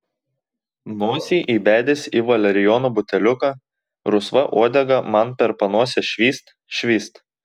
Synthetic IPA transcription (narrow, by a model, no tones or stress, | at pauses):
noːsʲiːʔiːbʲæːd̪ʲɪsʲiːʋɐlʲɛɾʲɪjɔːnuːbʊt̪ʲɛlʲʊkɑː | ɾʊsʋɐʔoɔd̪ʲɛɡɐmɐnpʲɛɾpɐnuɔsʲɛʃʲʋʲiːst̪ | ʃʲʋʲiːst̪